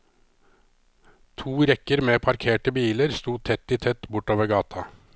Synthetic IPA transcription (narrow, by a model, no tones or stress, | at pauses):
t̪ʰuːɾɛkəɾmeːpʰɑɾkʰeːʈəbiːləɾst̪uːt̪ʰɛt̪ːɪt̪ʰɛt̪ːbʊʈːoːʋəɡɑːt̪ʰɑ